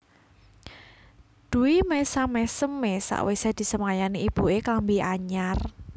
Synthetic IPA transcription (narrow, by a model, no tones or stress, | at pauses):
d̪̥uwimesamɛsəmːesa̰ʔwesad̪̥i̤səmajaniib̥ṳekambiaɲar